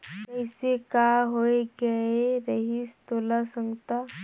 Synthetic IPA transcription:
kkəjsekaɦoeɡəeɾəɦiːst̪olasə̃ŋɡt̪a

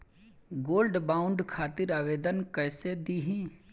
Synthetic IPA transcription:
ɡoːlɖbaːʊ̃ɳɖkʰaːt̪ɪɾaːʋeːd̪ənkɛːsed̪iɦĩː

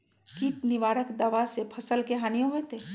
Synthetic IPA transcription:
kiːp̪nɪʋaːɾəkd̪ɐʋasepʰɐsəlkeɦaːnijõɦet̪eː

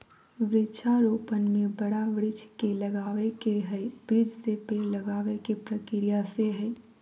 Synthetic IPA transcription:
ʋɾɪt͡ʃʰaɾoːpənmẽbɐɽaʋɾɪt͡ʃʰkelɐɡaːʋekeɦɛb̥iːd͡ʒsepeːɾlɐɡaːʋekepɾɐkɪɾijaseɦɛː

